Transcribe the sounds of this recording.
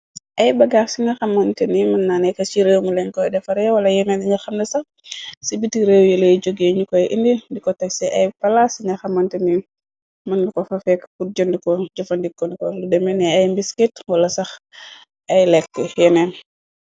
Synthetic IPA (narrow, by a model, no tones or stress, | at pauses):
ʔɐjbɐɡaːsiɲɐxɐmːɐntɛnimɐnːanɛkɐt͡ʃiɾewmulɛɲkɔjdɛfɐɾɛwɐlɐjɛmɛndiɲaxɐmdɛsɐx | sibitiɾewjɛleɟoɡeɲukɔjʔindidikɔtɐsɛʔɐjpɐlasiɲɐxɐmɐntɛni | mɐndikɔfɐfɛkfuɟondikɔɟɔfɐndikːɔnikɔludɛmɛnɛɐjmbiskitwɐlɐsɐx | ʔɐjlɛkːəjɛnɛn